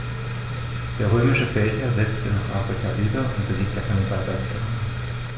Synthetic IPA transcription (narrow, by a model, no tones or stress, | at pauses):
d̥eːɐʁøːmɪʃəfɛːçɐzɛt͡stənaːχʔafʁ̥ikʰaviːdɐʊnt̚b̥əziːk̚td̥eːɐkʰandidaːtv̥at͡suan